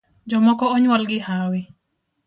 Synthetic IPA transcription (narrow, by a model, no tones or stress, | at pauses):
d͡ʒɔmɔkɔɔɲwalɡɪhawɪ